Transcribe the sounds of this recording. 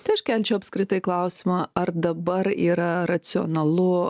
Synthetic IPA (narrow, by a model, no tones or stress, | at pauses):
t̪ɐɪɐʃkʲɛlʲt͡ʃʲɛʊɐpʲskɾʲɪt̪ɐɪklˠɐʊsʲɪmɐɐrd̪ɐbɐɾiːɾɐɾɐt̪sʲɪo̰nɐlˠʊ